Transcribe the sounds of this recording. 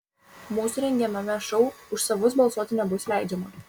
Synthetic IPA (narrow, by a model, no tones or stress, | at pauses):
muːsʊɾʲɛŋʲɡʲiɛnɐmʲɛʃɔʊʊʃsɐʋʊsbɐlˠsuɔt̪ʲnʲɛbʊslʲæɪd͡ʒʲɛmɐ